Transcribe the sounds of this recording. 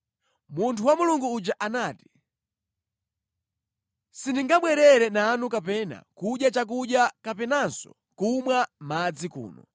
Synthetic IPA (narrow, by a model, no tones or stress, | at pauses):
muntʰuwamuluŋɡuːd͡ʒaʔanaːti̥ | sindiŋɡaɓwɛɾɛɾɛnaːnukapɛna̰kuɗjat͡ʃak̬uɗjakapɛnansɔ̰ | kumwamad͡zikṵːnɔ̰